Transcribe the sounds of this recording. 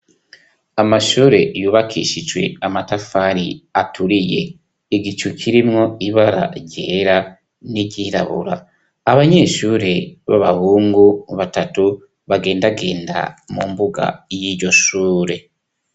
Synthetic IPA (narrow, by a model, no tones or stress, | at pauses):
amaʃuːɾe̞juːβakʰḭʃit͡ʃɡwe̞̰amatafaɾiatʰuɾije̞ | iɡit͡ʃuciɾimŋo̞iβaɾa̰ɾɟe̞ːɾa | niɟiɾa̰βṵɾa̰ː | βaɲe̞ːʃuːɾe̞βa̰βaβuːŋɡuβatatu | βaɡe̞ːndaɡe̞ːnda̰mumbuɡa̰jiɾɟo̞ʃuːɾe̞